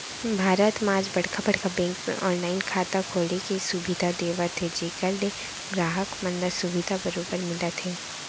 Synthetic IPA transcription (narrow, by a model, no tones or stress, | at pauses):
bʱaːɾət̪maːd͡ʒbɐɽ̤kʰabɐɽ̤kabɛ̃ːŋkmḛʔɔːnlaːɪnkʰaːt̪akʰoːlekesʊbɪd̪ʱad̪eːʋat̪ʰed͡ʒeːkəɾde | ɡɾaːɦəkmɐ̃nd̪əɾsʊʋɪd̪ʱabɐɾoːbəɾmɪlat̪ʰeː